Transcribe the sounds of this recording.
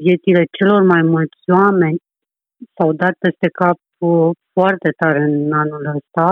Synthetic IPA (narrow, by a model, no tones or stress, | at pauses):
vje̞t̪sile̞t͡ʃe̞lo̞rmajmult̪sʲwame̞nʲ | sawd̪at̪̚pe̞st̪e̞kap̚foart̪e̞t̪aɾɨnanuləst̪a